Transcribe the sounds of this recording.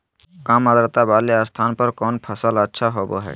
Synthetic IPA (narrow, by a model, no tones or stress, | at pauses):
kãːməd̪əɾt̪abaːleaːst̪ʰaːnpəɾkɔːnpʰəsələtːʃʰaɦoːbo̰ɦɛ̰ː